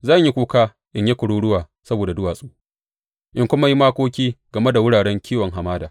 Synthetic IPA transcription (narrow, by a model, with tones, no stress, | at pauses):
zaː˦˨ɲji˦kʷuː˦kaː˦ | ʔɪ˦ɲje˦kʷʊ˨ɽuː˦ɽʊ˦waː˨ | sɐ˦boː˨da˨dʊ˦waː˨sʼuː˦ | ʔɪ˦ŋkʷʊ˦ma˦ji˦maː˦kʷoː˦kʲiː˦ɡ̥ɐ˨me˦da˨wʊ˦ɽaː˨ɽɛ˦ŋkʲʰiː˦wɔ˨ŋɦa˨maː˦daː˨